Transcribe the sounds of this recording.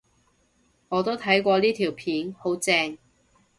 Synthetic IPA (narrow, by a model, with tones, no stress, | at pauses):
ŋɔː˨˧t̪o˥wt̪ʰɐ˨˥jkʷɔː˧liː˥t̪ʰiː˨˩wpʰiː˨˥nho˨˥wt͡sɛː˧ŋ